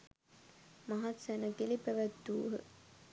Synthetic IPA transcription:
maɦat̪sænəɡelipæʋæt̪ːuːɦə̰

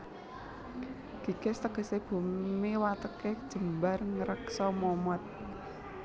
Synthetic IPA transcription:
ɡ̥i̤kɛst̪əɡ̥ə̤seb̥ṳmmewat̪əked̥ʒ̥ə̤mbarŋəɾəksɔmɔmɔt̪̚

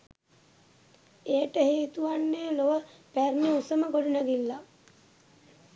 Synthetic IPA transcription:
eːʈəheːt̪uʋanːeːloʋəpærneusəməɡoɖunaɡilːa

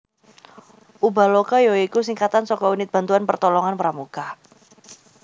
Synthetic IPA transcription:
ʔubalokajoikusiŋkat̪ansɔkɔunɪt̪̚b̥ant̪uanpərt̪ɔlɔŋanpəɾamuka

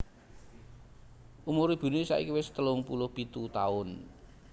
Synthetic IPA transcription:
ʔumuɾib̥ṳnusa̰ḭkiwɪst̪əlʊŋpulʊhb̥it̪ut̪aʊn

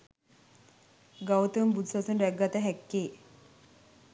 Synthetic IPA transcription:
ɡawt̪əmbud̪sat͡sunɾɛɡːat̪aɦɛkːe

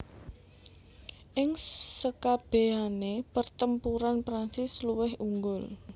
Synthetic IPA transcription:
ʔɪŋsəkab̥e̤ɦanepərt̪əmpuɾanpɾansɪsluwɪɦuŋɡʊl

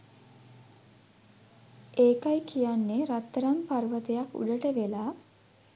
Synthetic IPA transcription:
eːkajkʰijanːeɾat̪ːəɾamparʋət̪ejakṵɖəʈəʋelaː

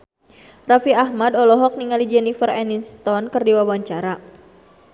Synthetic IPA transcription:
rafiaɦmadɔlɔɦɔk̚niŋalid͡ʒɛnifərɛninst̪ɔnkɨrdiwawaɲt͡ʃaɾa

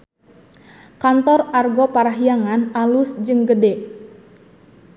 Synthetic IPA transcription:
kant̪ɔrarɡɔpaɾaɦijaŋanalusd͡ʒɨŋɡədɛ

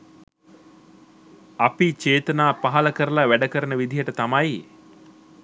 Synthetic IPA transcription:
apit͡ʃeːt̪ənaːpaɦalɐkəɾəlaʋæɖəkəɾənəʋid̪ʱijəʈət̪amaj

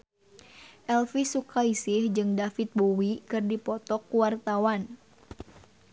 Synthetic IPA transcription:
ʔɛlfisukaisɪhd͡ʒɨŋdafit̪̚bowikɨrdipɔt̪ɔkːuwart̪awan

